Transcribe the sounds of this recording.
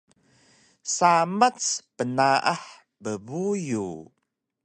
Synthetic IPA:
samat͡spənaʔaħ | bəbuju

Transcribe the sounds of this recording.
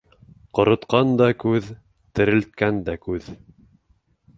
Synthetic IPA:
qŏɾŏt̪qɑnd̪ɑkʉð | t̪ɘ̆ɾɘ̆lt̪̚kænd̪ækʉð

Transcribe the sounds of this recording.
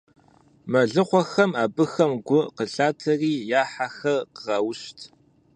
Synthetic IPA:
mɐɮɨqʷɔxɐmaːbɨxɐmɡʷʊqəɬaːtʰɐriːjaːħaxɐrqəʁɐwɕtʰ

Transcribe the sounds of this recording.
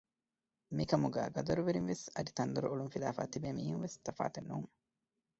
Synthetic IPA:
mikɐmuɡæ̰ːɡɐd̪ɐɾuʋeɾinʋesɐd̪it̪ɐnd̪uɾuuluŋfilaːfa̰ːt̪ibeːmiːhuŋʋest̪ɐfa̰ːt̪enːuːŋ

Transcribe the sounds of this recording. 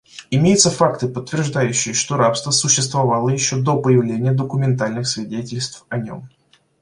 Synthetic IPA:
ɪmʲejɪt̪səfakt̪ɨpət̪ːvʲɪrʐd̪ajʉɕːɪjəʂt̪o̞ɾapst̪vəsʊɕːɪst̪vɐvalˠəjɪɕːod̪o̞pəjɪvlʲenʲɪjəd̪əkʊmʲɪnt̪alʲnɨxsvʲɪdʲetʲɪlʲst̪fɐnʲo̞̰m

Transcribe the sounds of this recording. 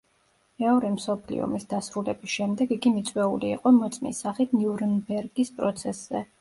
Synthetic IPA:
ɛɔɾɛmsɔpʰlḭɔ̰misd̪asɾulɛbisʃɛmd̪ɛɡiɡimit̪sʼwɛuliːqʼɔmɔt̪sʼmḭsaχit̪ʰniuɾnbɛɾɡispʼɾɔt̪sʰɛsz̥ɛ

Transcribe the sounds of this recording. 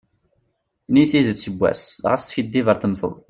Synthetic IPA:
niθizəsəbʷːæ̰sʁə̰sfid̪ːivəɾθəmθə̰ðˤ

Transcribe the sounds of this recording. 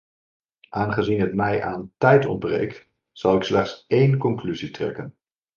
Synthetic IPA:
ʔaːnχəzinɦətmɛjʔaːntɛjtɔ̰nd̚brḛjkt | z̥ɑlˠɪkslɛχtsejnkɔŋklyzitrɛ̰kən

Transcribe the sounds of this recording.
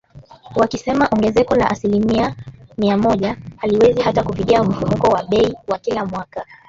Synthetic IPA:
wakisɛmaʔɔŋɡɛzɛkɔla̰ʔasilimiamiamɔʄahaliwɛzihatakupikiam̩fumukɔwaɓɛiwakilamwaka

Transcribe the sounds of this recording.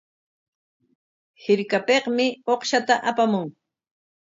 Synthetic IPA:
hɪɾkapeqmɪoqʃat̪aʔapamʊŋ

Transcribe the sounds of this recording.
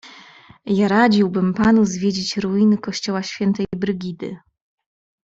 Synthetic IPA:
jaɾad͡ʑiwbɘmpanuzvʲjed͡ʑit͡ɕɾuinɘkɔɕt͡ɕɔwaɕfʲjɛnt̪ɛjbɾɘɡʲid̪ɘ̰

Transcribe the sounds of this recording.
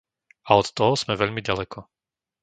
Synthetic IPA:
aɔt̪ːɔɦɔz̥mɛʋɛʎmiɟalɛkʰɔ

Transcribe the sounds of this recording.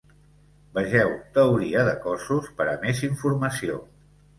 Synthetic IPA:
bəʒɛwt̪əuɾiəðəkɔsuspəɾəmeziɱfuɾməsio̰

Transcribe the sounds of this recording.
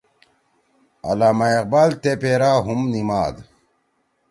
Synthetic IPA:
ɐ̰laːmaeq̚baːlt̪epeːɾaːɦumnimaːd̪

